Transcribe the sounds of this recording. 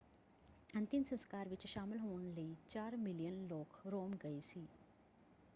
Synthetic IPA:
ɐ̃nt̪ɪmsə̃nskaːɾʋɪt͡ʃʃaːmɪlɦoːñləit͡ʃaːɾmɪlijənloːkɾoːmɡɐisiː

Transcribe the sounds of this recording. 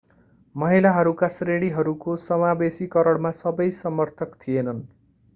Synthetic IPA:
mʌɦilaɦʌɾukasreɽiɦʌɾukosʌmabesikʌɾʌɽmasʌbʌjsʌmʌrt̪ʰʌkt̪ʰienʌn

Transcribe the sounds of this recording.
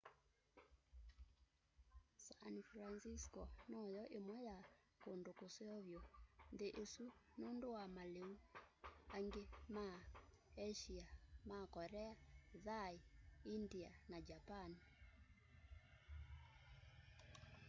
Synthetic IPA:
sanfɾansiskɔnɔjɔʔemwɛja | kondokoseɔβjɔndeʔesunondowamaleu | aŋɡema | ɛʃiamakɔɾɛaðaiindianad͡ʒapani

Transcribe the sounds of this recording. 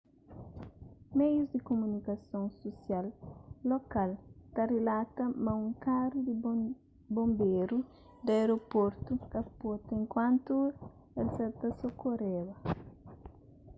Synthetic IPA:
mejuzd̪ikomunikɐsõŋsosjalːokalt̪ɐrelat̪ɐmɐ̃ũŋkaɾud̪i | bõmbeɾu | d̪ɐeɾopoɾt̪ukɐpot̪ẽŋkwãnt̪u | elsat̪asokoɾeβɐ

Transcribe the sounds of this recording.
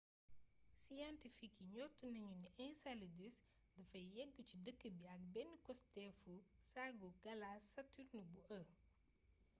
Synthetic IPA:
sijɐntifikiɲɔtːunɐɲuniʔɛnsɐlidis | dɐfɐjjɛɡːət͡ʃidəkːəbijak̚bɛnikɔstɛfusaɡuɡɐlaːsɐtːuɾnubuʔɐ

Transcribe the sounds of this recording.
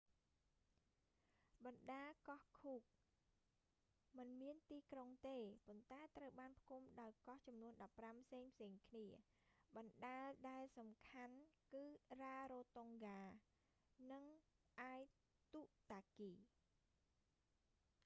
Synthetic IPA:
ɓɑnɗaːkɑhkʰuːk̚ | mɨnmiənt̪iːkroŋt̪eːpont̪aɛt̪rəwɓaːnpʰkʰumɗaɔjkɑht͡ɕɑmnuənɗɑpːrampʰseːŋpʰseːŋkʰniə | ɓɑnɗaəlɗaɛlsɑmkʰankɨːraːɾoːt̪oŋɡaː | nɨŋ | ʔaːj | t̪uʔt̪aːkiː

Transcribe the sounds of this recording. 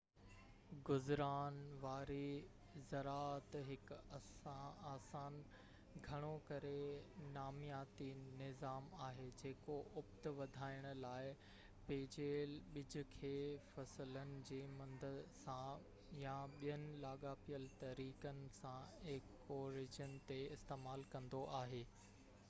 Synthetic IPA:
ɡʊzɾaːnʋaːɾi | zɐɾaːət̪ɦɪkɐaːsaːn | ɡʱɐɽ̃okɐɾenaːmijaːt̪inɪzaːmaːɦeːd͡ʑeːkoʔʊpt̪ʋɐd̪ʱaːɪɽ̃ʊ̆laːɪ | peːd͡ʑeːlɓɪd͡ʑʱʊ̆kʰeːfɐslənɪ̆d͡ʑeːmɐ̃nd̪ʱəsã | jãɓijənɪ̆laːɠaːpijəlt̪ɐɾiːkənɪ̆sãɪk | oɾɪd͡ʑənɪt̪eɪst̪eːmaːlkɐ̃nd̪oʔaːɦeː

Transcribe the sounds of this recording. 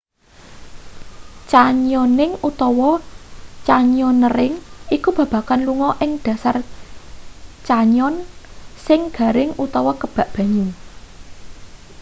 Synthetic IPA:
t͡ʃaɲɔnɪŋut̪ɔwɔ | t͡ʃaɲɔnːəɾɪŋikub̥ä̤b̥ä̤kanluŋɔʔɪŋd̪̥ä̤sar | t͡ʃaɲɔnsɪŋɡ̥a̤ɾɪŋut̪ɔwɔkəb̥a̤ʔb̥ä̤ɲu

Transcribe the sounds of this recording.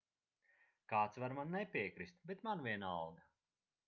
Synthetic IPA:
kaːt̪svaɾmanːɛpʲiɛkɾist̪̚bɛt̪manvʲiɛnalˠɡ̪a

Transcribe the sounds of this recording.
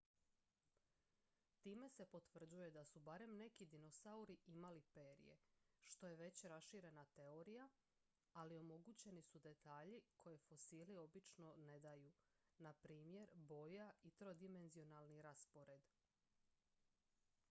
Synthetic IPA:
t̪iːme̞se̞po̞t̪ʋr̩d͡ʑuje̞d̪asubaɾe̞mne̞kid̪ino̞sauɾiimalipe̞ːɾḭje̞̰ʃt̪o̞je̞ʋe̞t͡ɕɾasʃiɾe̞nat̪e̞o̞ɾija | alio̞mo̞ɡut͡ɕe̞nisud̪e̞t̪aːʎikʰo̞je̞fo̞siːlio̞bit͡ʃno̞ne̞d̪aju | napɾiːmje̞ɾbo̞jait̪ɾo̞d̪ime̞nzio̞nalˠniɾaspo̞ɾe̞d̪

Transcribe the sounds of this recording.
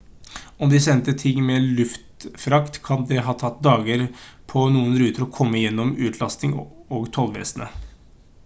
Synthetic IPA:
ɔmd̪ɪsɛnt̪ət̪ʰɪŋːmɛlʉft̪fɾɑkt̪kʰɑnd̪ɛɦɑːt̪ʰɑt̪ːd̪ɑːɡəɾpʰɔnuːənɾʉːt̪əɾɔkʰɔmːəjɛnːɔmʉːt̪ʰlɑst̪ɪŋoːɡt̪ʰɔlʋḛːsnə̰

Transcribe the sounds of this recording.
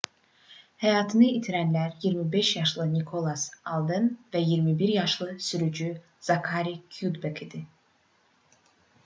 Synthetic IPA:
hæjɑːt̪ʰɯnɯit̪ʰiɾænlæɾjiɾmibeʃjɑʃlˠɯnikʰolˠɑsɑlˠd̪ɯnvæjiɾmibiɾjɑʃlˠɯsyɾyd͡ʒy | z̥ɑkʰɑɾikʰjud̪bekid̪̥i

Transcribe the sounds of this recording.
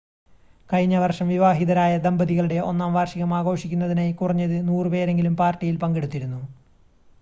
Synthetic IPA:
kɐɻɲːɐʋɐrʂɐmʋiʋaːɦiðɐɾaːjɐd̪ɐmbɐðiɣɐɭuɽe̞ʔo̞̰nːaːmʋaːrʂiɣɐmaːɣo̞ːʂikʲːunːɐðinejkurɐɲːɐðɨnuːrɨpe̞ːɾe̞ŋɡilumpaːrtːijilpɐŋɡe̞ɽut̪ːiɾunːu

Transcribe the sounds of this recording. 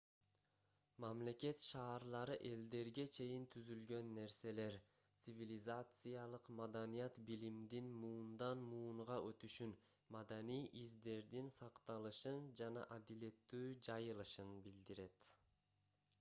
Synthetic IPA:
mamle̞ke̞t̪ʃɑːɾlˠɑɾɯʔe̞ld̪e̞ɾɡe̞t͡ʃʰe̞jint̪ʰyzylɡø̞nːe̞ɾse̞le̞ɾ | t̪sɨvʲilʲizat̪sɨjɑlˠɯqmad̪anijɑt̪bilimd̪inmuːnd̪ɑnmuːɴʁɑʔø̞t̪yʃyn | mɑd̪anijʔizd̪e̞ɾd̪insɑqt̪ɑlˠɯʃɯnd͡ʒɑnɑ̰ʔad̪ile̞t̪ːyːd͡ʒɑjɯlˠɯʃɯnbild̪iɾe̞t̪

